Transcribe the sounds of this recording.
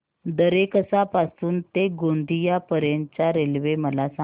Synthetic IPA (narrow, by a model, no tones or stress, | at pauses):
d̪əɾekəsapasuːnt̪eɡond̪ʱijapəɾjẽɲt͡ɕjaɾelʋeməlasa